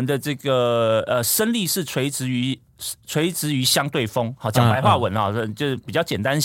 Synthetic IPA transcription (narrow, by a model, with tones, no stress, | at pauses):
nd̪ə˧ʈ͡ʂɤ˥˩ɡə˩ə˨ʂə˥nli˥˧ʂɻ̩˥˩t͡sʰwe˧˥ɪt͡sɻ̩˧˥˦y˧˥ | t͡sʰwe˧˥ɪt͡sɻ̩˧˥y˧˥ɕjɑ˥ŋt̪we˥˩ɪfo˥ŋɑ˥˨˩t͡ɕjɑ˨˩pa˧˥ɪxwa˥˨˩wə˨˧˥nɔ˥˧˩t͡ɕo˥˧ʊ˩pi˨˩t͡ɕjɑ˥˩ʊt͡ɕjɛ˨˩nt̪a˥˦n